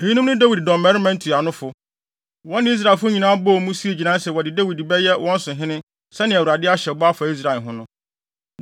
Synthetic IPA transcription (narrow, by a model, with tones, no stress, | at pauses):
e˨ji˦nʊ̃˦mnʊ̃˦da˦wi˨ddɔ̃˨mɛ˦ɾi˦mɛ̃˦n̩˦tʰi˨a˨nʊ̃˦fʊ˨ | wɔ̃˦nɪ̃˦i˦s̬ɾa˨lfʊ˦ɲĩ˨nãː˦bɔ˦˨mũ˦si˦e˨d͡ʑi˨nã˦n˦sɛ˨wɔ˨dɪ˨dæ˦wi˨dbɛ˦jɛ˦wʔɔ̃˦n̩˦sʊ̃˨ɦɪ̃˦nɪ̃˦ | sɛ˦nɪ̃˨æ˨wu˨ɾa˨dɪ˦a˦ɕɛ˨bɔ˦a˦fa˨i˦s̬ɾa˨e˨ɦʊ̃˦nʊ̃˦